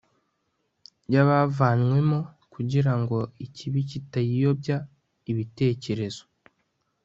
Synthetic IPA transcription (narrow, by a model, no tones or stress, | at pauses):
jaβavaːnŋwe̞mo̞kuɟiɾaŋɡo̞iciβicitajijo̞bja | iβite̞ːce̞ɾe̞zo̞